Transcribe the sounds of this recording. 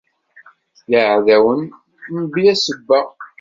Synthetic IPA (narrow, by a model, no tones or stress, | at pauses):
jəʕðæwən | nbjæsəbːə